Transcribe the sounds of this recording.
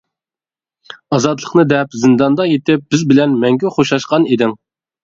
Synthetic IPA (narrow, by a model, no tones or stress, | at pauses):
ɑzɑt̪lˠə̥qnɨd̪ɛpzɪnd̪ɑnd̪ɑjet̪ʰɪp̚b̥ɪzbɪlɛnmɛŋɡʲɛχoʃɑʃqɑned̪ɪŋ